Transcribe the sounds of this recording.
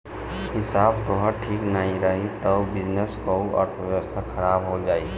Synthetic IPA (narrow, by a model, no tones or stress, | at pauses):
ɦɪsaːbt̪oɦəʈʰiːknəɦĩɾɐɦit̪ɐbɪd͡ʒnəskouʔɐ̰ɾt̪ʰəʋjəʋəst̪ʰakʰɐɾaːbɦod͡ʒaːiː